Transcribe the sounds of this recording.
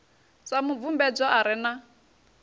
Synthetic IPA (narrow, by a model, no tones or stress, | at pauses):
t͡samuvumbɛd͡zɔʔaɾɪna